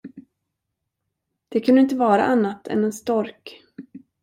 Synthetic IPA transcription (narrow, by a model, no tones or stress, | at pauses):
d̪̥ɛkʰɵnd̪əɪnt̪əvɑːɾa̰ʔanːat̪ʰɛ̰nɛnst̪ɔɾk